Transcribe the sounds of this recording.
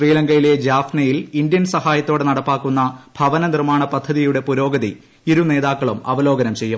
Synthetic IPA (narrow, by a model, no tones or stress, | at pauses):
riːlɐŋɡɐjile̞d͡ʑaːfnɐjilind̪jɐnsɐhaːjɐt̪ːoːɽenɐɽɐpːaːkːunːɐbʱɐʋɐnɐnirmaːɳɐpɐd̪ʱːɐðijuɽe̞puɾo̞ːɡɐðḭ | iɾune̞ːðaːkːɐɭumɐ̰ʋɐlo̞ːɡɐnɐmt͡ɕe̞jːu